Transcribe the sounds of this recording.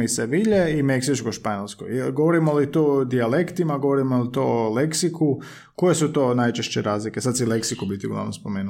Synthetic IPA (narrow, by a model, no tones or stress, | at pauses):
iseʋiʎeimeksit͡ʃkoʃpaɲelˠskojlɡoʋoɾimolit̪od̪iale̞kt̪imaɡo̞ʋoɾimolit̪oleksiku | koje̞sut̪o̞ːnajt͡ʃeʃt͡ɕeɾaːzlike̞sad̪sileksikubit̪iuɡlˠa̰ʋnomspomeːnu